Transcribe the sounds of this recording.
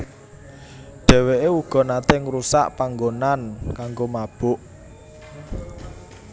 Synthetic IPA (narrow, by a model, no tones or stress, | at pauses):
ɖ̥ɛ̤weʔeuɡ̥ɔ̤nat̪eŋɾusa̰ʔpaŋɡonankaŋɡomab̥ʊ̤ʔ